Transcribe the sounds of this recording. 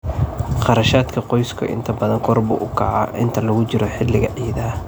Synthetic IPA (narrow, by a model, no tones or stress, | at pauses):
χɑɾɐʃaːd̪kʰɐqɔjskʰɐ̰ʔɪ̰nt̪ʰɐbɐðɐŋkʰɔrbʊ̰ʔʊkʰɑ̰ʕɑ̰ʔɪ̰nt̪ʰɐlɐɣʊt͡ʃɪɾɔħɪlːɪɣɐʕiːðaː